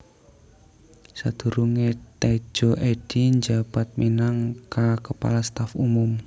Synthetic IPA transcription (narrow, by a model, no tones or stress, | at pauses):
sad̪̥ṳɾuŋet̪e̥d͡ʒ̥oʔeɖ̥iɲd͡ʒapat̪̚minaŋkakəpa̰last̪afumʊm